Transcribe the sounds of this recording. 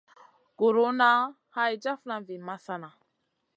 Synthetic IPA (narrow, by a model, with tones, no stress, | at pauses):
ɡ̥o˨ɾo˦na˦ | ha˦jd͡ʒa˦fna˦vi˨ma˦sa˦na˨